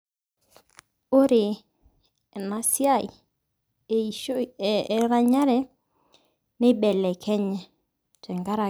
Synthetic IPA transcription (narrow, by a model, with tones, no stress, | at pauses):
o˦ɾɪ˨ | ɛ˨na˨sja˦˨ | ɾa˦˨ɲa˦ɾɛ˦ | nɪ˦bɛ˨lɛ˨kʰɛ˦ɲɛ˨ | tɛ˨ŋɡa˦ɾa˨